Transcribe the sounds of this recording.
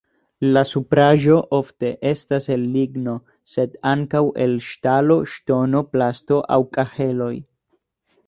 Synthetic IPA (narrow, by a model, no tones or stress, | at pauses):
lasupɾaʒo̞ʔo̞fte̞ʔe̞stase̞lːiɡno̞ | se̞daŋkawʔe̞̰lʃtalo̞ʃto̞no̞plasto̞ʔa̰wkʼahe̞lo̞j